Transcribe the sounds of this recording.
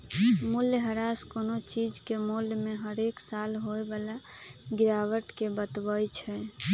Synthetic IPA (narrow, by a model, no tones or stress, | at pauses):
muljəɦəɾaskonot͡ʃid͡ʒkemoljmeɦəɾeksalɦoebalaɡiɾaʋəʈkebət̪bəjt͡ʃʰɛ